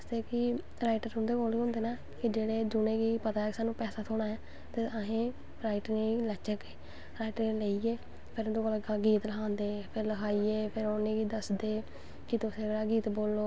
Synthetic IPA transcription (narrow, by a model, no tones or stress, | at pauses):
əsd̪eːkɪ | ɾaːɪʈəɾɦʊ̃nd̪eːɡoːliːɦʊ̃nd̪eːnaː | kɪd͡ʒeːɽeːd͡ʒʊnẽːɡiːpət̪aːɛːkɪsaːnũːpɛːsaːt̪ʰoːɽ̃aːɦɛː | t̪eəɦẽː | ɾaːɪʈnẽːilət͡ʃəkeː | ɾaːiʈəɾeːləieː | pʰɪɾd̪õːɡəlɡiːt̪ləɦʰãːnd̪eːpʰɪɾləkʰaːiːeːpʰɪɾoːnẽːɡiːd̪əsd̪eː | kɪt̪ʊsẽːɡeɽaːɡiːt̪boːlːoː